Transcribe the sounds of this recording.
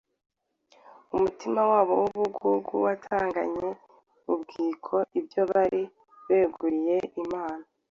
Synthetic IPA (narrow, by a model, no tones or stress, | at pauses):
umutimawaːβo̞wuβuɡuɡuwatʰaːŋɡa̰ɲe̞ | βubɡiːkʰo̞ʔibjo̞βaɾi | βeːɡuɾije̞ʔimaːna